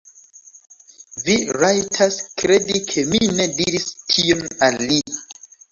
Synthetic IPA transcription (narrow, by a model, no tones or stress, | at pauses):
viɾajtʰaskɾe̞dikʰe̞mine̞diɾistʰionallːi